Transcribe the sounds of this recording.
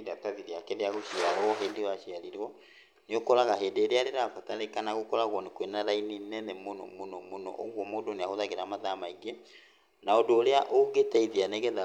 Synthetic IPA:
dataðiɾeakɛɾeaɣoʃiaɾɔɦeːndewaʃiaɾiɾwɔ | neokɔɾaɣaɦendeːɾeaɾeɾafataɾekanaɣokɔɾaɣwɔnekwenaɾaininɛnɛmonɔ̰monɔmonɔ̰ʔo̰ɣwɔmoːdoneahoðaɣeɾamaðamaiɡe | naodoːɾeaʔoɡetɛiðianɛɣɛða

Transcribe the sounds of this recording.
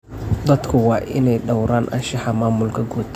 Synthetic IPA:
d̪ɐd̪kʰʊwɑːʔɪnɛjɖɐwɾaːnʔɐ̰nʃɑħɐmaːmʊlkʰɐɡuːt̪ʰ

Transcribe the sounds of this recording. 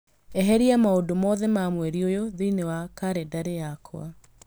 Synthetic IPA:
ɛɦɛɾiamaodomɔðɛmamwɛɾiojoðeinewakaɾedaɾejakʰw̰a̰

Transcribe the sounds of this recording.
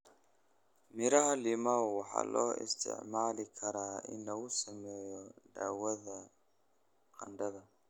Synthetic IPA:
mɪɾɐɦɐlimawwɑħɑ̰ːlɔːɪ̰st̪ʰɪ̰ʕmaːlɪkʰɐɾaːɪ̰nlɐɣʊsɐmɛːjɔɖa̰ːwɐðɐ | qɐ̰nd̪ɐðɐ

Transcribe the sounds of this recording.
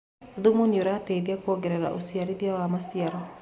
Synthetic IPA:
ðumunjoɾatɛðiakwɔɡɛɾɛɾa̰ʔusiaɾiðjawamasiaɾa

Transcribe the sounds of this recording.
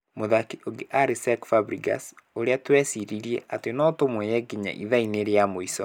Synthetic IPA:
moðakiʔoɡeʔaɾisɛkfabɾiɡa̰soɾeatwɛsiɾiɾiḛʔatenɔtomwɛjɛɡeɲa̰ʔḭðaineɾeamoisɔ

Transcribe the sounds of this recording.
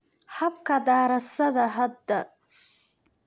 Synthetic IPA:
hɐbkʰɐd̪aːɾɐsɐðɐɦɐd̪ːɐ

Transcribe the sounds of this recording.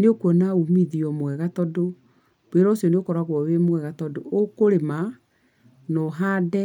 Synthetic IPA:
neokwɔnaumiðiɔmwɛɣatɔdo | beɾɔsiɔneokɔɾaɣwɔwemwɛɣatɔdookoɾema | nɔɦadɛ

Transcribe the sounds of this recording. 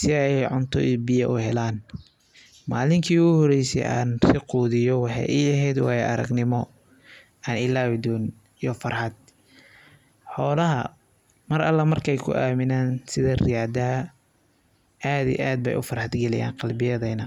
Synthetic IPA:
sɪɛɛjʕʊnt̪ʰɔ̰ʔiːbɪjɐʔʊhɛlaːn | maːlɪŋkʰiːuɣhɔɾɛjsɛ̰jʔa̰ːnsɪquːðɪjɔwɑħɑ̰jiɐɦɛjd̪wɑːjɛʔɐɾɐ̰ɡnɪmɔ | aːnɪlaːwɪd̪ɔːn | ijɔfɐrħɑd̪ | ħɔːlɐɦɐ̰ | mɐɾɐlːɐmɐrkʰɛjkʰʊ̰ʔaːmɪnaːnsɪðɐrɪjaːd̪ɐ | ʔaːðḭʔaːd̪̚bɛ̰jʔʊ̰fɐrħɑd̪ɡɐlɛ̰ja̰ːnqɑlbɪjɐðɛjnɐ

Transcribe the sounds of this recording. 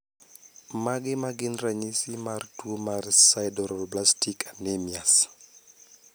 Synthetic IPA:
maɡɪmaɡɪnraɲisɪmartuomarsajdɔɾɔblastikanɛmias

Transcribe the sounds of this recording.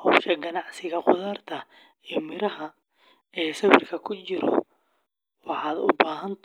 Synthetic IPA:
hɔwʃɐɡɐnɑʕsɪɣɐqʊðaːrt̪ʰɐ | imɪɾɐɦɐ | ɛːsɐβɪrkʰɐkʰʊt͡ʃɪɾɔ̰ | wɑħɑːd̪ʊ̰baːɦɐnt̪

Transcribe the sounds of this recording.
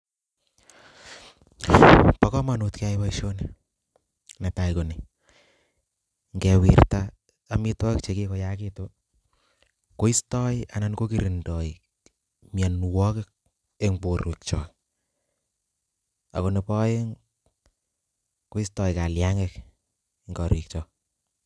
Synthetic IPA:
pakɔmanutkaipaiʃone | nataikone | ŋɡɛwirta | amitwɔɪk̚t͡ʃekekojakito | koistɔja̰nankokiɾindɔi | mjanwɔkɪk̚ | eŋboɾuk̚t͡ʃɔ | a̰konepɔjeŋ | koistɔjkaljaŋek | ŋɡɔɾik̚t͡ʃɔ

